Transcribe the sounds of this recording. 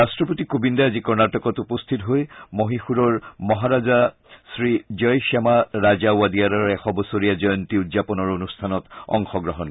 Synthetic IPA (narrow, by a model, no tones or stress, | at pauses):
ɹastɹɔpotikobindaazikɔɹnatɔkɔtupostʰitɦojmoɦixuɾɔɹmɔɦaɹaza | sɹid͡ʒɔjʃɛmaɹazawadijaɾɔɹɛxɔbɔsoɹijazɔjɔntiudzapɔnɔɹonustʰanɔtɔ̰ŋxɔɡɹɔɦɔn